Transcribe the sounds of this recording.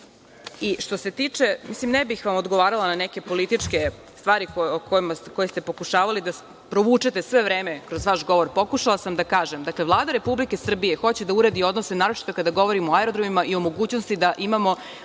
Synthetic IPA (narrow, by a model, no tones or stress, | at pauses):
iʃt̪ose̞t̪it͡ʂe̞mislimnebixʋamo̞d̪ɡo̞ʋaːɾalananeke̞po̞lit̪it͡ʂke̞ | st̪ʋaːɾikookojmasko̞jest̪e̞po̞kuʃaːʋalid̪a | pɾo̞ʋuːt͡ʂet̪e̞sʋe̞ʋɾeːmekɾo̞zʋaʃɡo̞ʋo̞ɾpo̞kuʃalˠasamd̪akaːʒemd̪akle̞ʋlˠaːd̪aɾe̞publike̞sr̩bijexo̞t͡ɕed̪auɾed̪io̞d̪nosenaːɾo̞t͡ʃi̥t̪o̞kad̪aɡo̞ʋo̞ɾimo̞aɛɾod̪ɾomimaʔio̞mo̞ɡuːt͡ɕnost̪id̪aʔimamo̞